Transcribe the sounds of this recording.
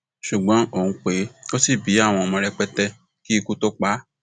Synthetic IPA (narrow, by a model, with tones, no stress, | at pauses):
ʃu˨ɡ͡bɔ̃˨˦o˦˨ŋ̩̃˨˦k͡pe˨˦o˦si˦˨bi˨˦a˦˨w̃ɔ̃˧mɔ̃˧ɾɛ˧k͡pɛ˦tɛ˧ | ki˦i˦˧ku˦to˦k͡pa˦